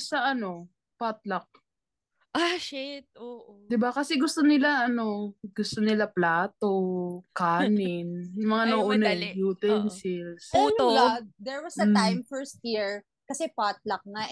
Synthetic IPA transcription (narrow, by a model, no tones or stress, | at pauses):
sɐʔɐno̞ | pat̪̚lɐk̚ | ʔaʃɪt̪̚oːʔd̪ɪbakɐsɛɡʊst̪onɪlaʔɐno̞ɡ̥ʊst̪onɪlaplaːt̪o̞kaːnɪnjʊmɐŋanɐʔonɐjuːt̪ɛnsɪlsojɡ̚d̪ɛɹwɐsd̪ɐãjmfɛɹst̪̚jiɹ | kɐsɛpat̪̚lɐk̚na